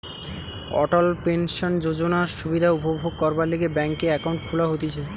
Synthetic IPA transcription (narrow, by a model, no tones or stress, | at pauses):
ɔ̰ʈalpenʃond͡ʑod͡ʑonaʃubid̪ʱaupobʱoɡ̚kɔɾbaɾleɡebɛŋkeɛkawɳʈ̚kʰulaɦot̪et͡ɕʰe